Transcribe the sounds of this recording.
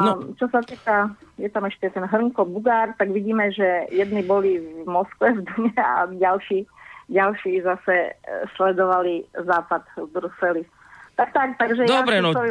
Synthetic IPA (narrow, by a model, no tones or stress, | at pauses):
at͡ʃɔsat̪iːkajɛt̪amɛʃcʲɛt̪ɛnɦr̩ŋkɔbuɡaːɾt̪aɡʋiɟiːmɛʒɛjɛd̪nibɔlivmɔskʋɛvd̪əɲɛa̰ɟalʃiːɟalʃiːzasɛslɛd̪ɔʋalizaːpad̪bɾusɛli | t̪akt̪ak̚t̪aɡʒɛd̪aɔbɾɛnsɔ